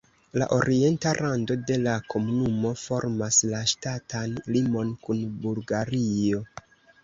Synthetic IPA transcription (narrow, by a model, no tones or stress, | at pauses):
la̰ʔo̞ɾʔie̞ntaɾʔando̞de̞lakʰo̞munumo̞fo̞ɾmaslaʃtatʰanlimo̞nkunbulɡaɾio̞